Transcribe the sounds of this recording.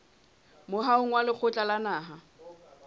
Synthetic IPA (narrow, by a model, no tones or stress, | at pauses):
mʊɦaʊŋ̩walɪk͡xʰʊt͡ɬʼalanaːɦa